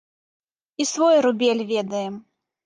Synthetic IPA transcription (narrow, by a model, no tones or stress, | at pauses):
isvɔjɾubʲɛlʲvʲɛd̪ɐjɛm